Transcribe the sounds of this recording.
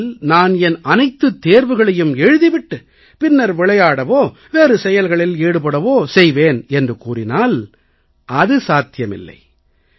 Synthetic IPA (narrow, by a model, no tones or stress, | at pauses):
lnaːnɛnɐnɐɪt̪ːɯt̪ːeːɾʋɯɣɐɭɐjɯmɛɻɯðiʋɪʈːɯ | pɪnːɐɾʋɪɭɐjaːɽɐʋoː | ʋeːrɯsɛjɐlɣɐɭɪleːɽɯpɐɽɐʋoːsɛjʋeːnɛndrɯkuːrɪnaːl | ʔɐðɯsaːt̪ɪjɐmɪ̰lːɐ̰ɪ